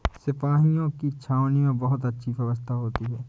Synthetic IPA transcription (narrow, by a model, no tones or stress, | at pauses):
sɪpaːɦijõkit͡ʃʰaːʋnimẽbɐɦʊt̪ɐtːʃʰibjɐʋəst̪ʰaɦoːt̪iɦɛː